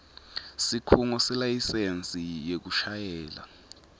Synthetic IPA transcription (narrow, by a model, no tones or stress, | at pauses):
sikʰuŋɔsɛlajisent͡sʼijek̬uʃajɛːla̰